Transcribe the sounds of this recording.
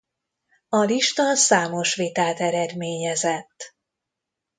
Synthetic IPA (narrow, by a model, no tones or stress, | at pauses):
ɒliʃt̪ɒsaːmo̞ʃʋet̪aːt̪ɛɾɛd̪meːɲɛzɛt̪ː